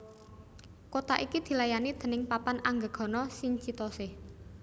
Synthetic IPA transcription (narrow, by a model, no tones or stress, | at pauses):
kot̪aʔikid̪̥i̤lajanid̪̥ə̤nɪŋpapanʔaŋɡəɡ̥ɔ̤nɔsiɲt͡ʃit̪ɔsɪh